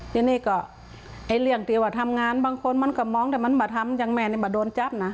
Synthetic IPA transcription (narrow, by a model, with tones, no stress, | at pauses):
t̪ʰiː˧niː˧˩˨kɔː˧˩ | ʔa˧˩jli˧˩əŋt̪ʰi˧˩˦waː˧˩t̪ʰa˧˥mŋaː˧˥˨nbaː˧˨ŋkʰo˧˥˨nma˧˥˨nkɔː˧˩mɔː˧˥˨ŋt̪aː˧˩ma˧˥nbɔː˧˩t̪ʰa˧˥mja˧ŋmɛː˧˩˨ni˧˩bɔː˧˩doː˧˦nt͡ɕa˦p̚na˧